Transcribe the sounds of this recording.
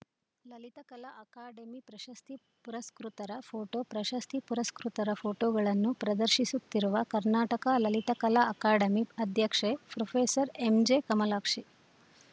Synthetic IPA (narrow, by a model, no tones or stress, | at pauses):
lɐlit̪ɐkɐlɐʔɐkaːɖemipɾɐʃɐst̪ʰi | puɾɐskɾut̪ɐɾɐpʰoːʈoːpɾɐʃɐst̪ʰipuɾɐskɾut̪ɐɾɐpʰoːʈoːɡɐɭɐnːupɾɐd̪ɐɾʃisut̪ːiɾuʋɐkɐɾnaːʈɐkalɐlit̪ɐkɐlɐɐkaːɖɐmiɐd̪ʱjɐkʂepɾopʰeːsɐɾemd͡ʒeːkɐmɐlaːkʂi